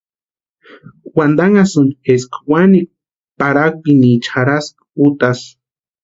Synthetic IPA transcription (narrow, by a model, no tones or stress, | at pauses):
wand̪aŋasund͡ʒeskwani | paɾak̚pinit͡ʃʰaɾask | ut̪as